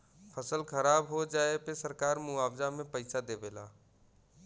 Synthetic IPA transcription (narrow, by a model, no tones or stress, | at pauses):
pʰəsəlkʰəɾabɦod͡ʒaepesəɾkaɾmʊaːbzamẽpəɪsad̪ebela̰